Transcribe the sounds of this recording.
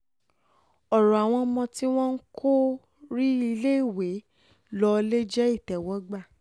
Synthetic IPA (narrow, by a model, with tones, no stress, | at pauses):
ɔ˨ɾɔ̃˨a˨w̃ɔ̃˧mɔ̃˧ti˦w̃ɔ̃˦n̩˦kʰo˦ | ɾi˦i˧le˦i˦˨we˨˦ | lɔ˧le˦d͡ʒɛ˦i˦˨tɛ˨wɔ˨˦ɡ͡ba˦˨